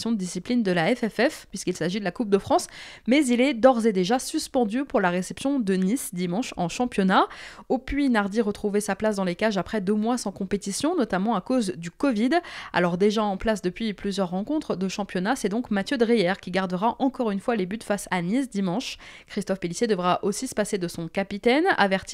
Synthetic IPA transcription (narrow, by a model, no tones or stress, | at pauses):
sjɔ̃d̪əd̪isiplind̪əlaɛfɛfɛfpːɥiskilsaʒid̪əlakup̚d̪əfχɑ̃smɛzilɛd̪ɔʁzed̪eʒasyspɑ̃d̪ypuʁlaʁesɛpsjɔ̃d̪ənisd̪imɑ̃ʃɑ̃ʃɑ̃pjɔnaopɥinaʁd̪iʁət̪χuvesaplasd̪ɑ̃lekaʒapχɛd̪ømwasɑ̃kɔ̃pet̪isjɔ̃nɔt̪amɑ̃akozd̪ykɔvid̪a̰lɔʁd̪eʒaɑ̃plas̬d̪əpɥiplyzjœʁːɑ̃kɔ̃t̪χd̪əʃɑ̃pjɔnasɛd̪ɔ̃kmat̪jød̪ʁijɛʁkʲiɡaʁd̪əʁaʔɑ̃kɔʁynfwalebyt̪fasanisd̪imɑ̃ʃ | kχist̪ɔfpelisjed̪əvʁaʔosisə̥pased̪əsɔ̃kapit̪ɛna̰vɛʁt̪i